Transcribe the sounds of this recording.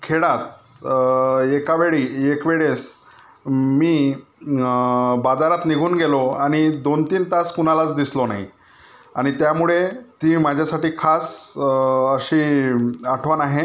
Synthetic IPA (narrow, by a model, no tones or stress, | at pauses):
kʰeɽat̪̚ | ekaʋeɭiekʋeɭes | miː | bad͡zaɾat̪niɡʱuːnɡelɔaɽ̃id̪ont̪iːnt̪askunalat͡sd̪islɔnaɦi | aɽ̃it̪jamuɭet̪iːmad͡ʑʱjasaʈiːkʰas | əɕiːaʈʰʋanaɦe